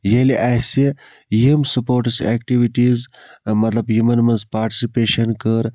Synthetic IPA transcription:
jeliʔasi | jimsɐpoːɾʈseːkʈiʋiʈiːzmɐt̪lɐbjumɐnmɐnzpaːɾʈi̥sipeːʃɐnkəɾ

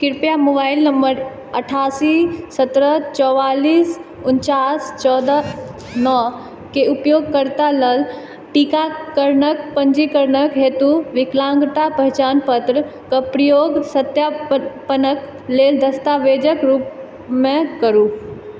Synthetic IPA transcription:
kɪɾpjamobaɪlnəməɾ | əʈʰaːsisət̪ɾət͡ʃɔʋaliːs | ʊnt͡ʃast͡ʃɔːd̪a | nɔ | keupjoːɡ̚kəɾt̪aləl | ʈikakəɾnək̚pənd͡ʒikəɾnəkɦet̪uʋɪklãŋɡt̪apəɦɛt͡ʃaːnpət̪ɾəkəpɾijoːɡsət̪japənək | leld̪əst̪aʋed͡ʒəkɾuːp | mẽkəɾu

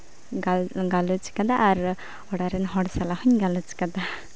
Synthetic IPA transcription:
ɡalɡalut͡ʃkad̪aʔːɾ | ɔɽaɾɛnɦɔɽsalaɦuɲɡalut͡ʃkad̪a

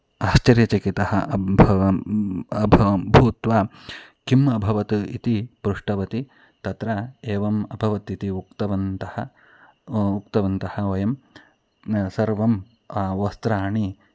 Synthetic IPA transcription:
aːʃt͡ʃɐɾjɐt͡ʃɐkit̪ɐhɐʔbʱ | ɐbʱbʱuːt̪ʋaːkimɐbʱɐʋɐt̪uḭt̪ipɾuʂʈɐʋɐt̪i | t̪ɐt̪ɾɐeːʋɐmɐbʱɐʋɐt̪it̪iukt̪ɐʋɐnt̪ɐhɐ | uk̚t̪ɐʋɐnt̪ɐhɐʋɐjɐm | sɐɾʋɐm | aʋɐst̪ɾaːɳi

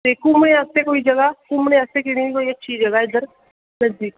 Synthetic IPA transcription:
t̪ekuːmneat̪ekoːid͡ʒɐɡakumɽeassekɪɽ̃iikoːiɐtːʃʰid͡ʒɐɡaɪd̪əɾ | nɐzd̪iːk

